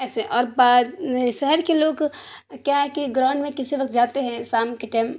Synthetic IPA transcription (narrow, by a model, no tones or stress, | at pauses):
ɛːseʔɔːɾbaːd̪ʃɛɦɛɾkeloːɡ | kjaːɦɛkiɡɾãːɳɖmẽkɪsiʋɐk̚t̪̚d͡ʒaːt̪eɦɛ̃saːmkeʈɛːm